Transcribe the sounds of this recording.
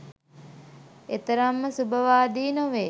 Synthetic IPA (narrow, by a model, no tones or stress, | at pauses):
et̪əɾamːəsubəʋaːd̪iːnoʋe